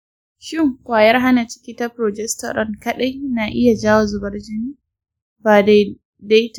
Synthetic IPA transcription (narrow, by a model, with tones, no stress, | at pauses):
ʃɪ˦˨ŋkʷaː˨jɐ˦rɦa˦na˨t͡ʃɪ̥˦kʲiː˦ta˦pɾo˨d͡ʒɛ˦stɐ̰˨ɾɔ̰˦˨nkɐ˦ɗa˦jnaː˨ʔɪ˦ja˨d͡ʒaː˦wa˨zʊ˨bɐ˦rd͡ʒɪ˦niː˦ | ba˨ | da˦jt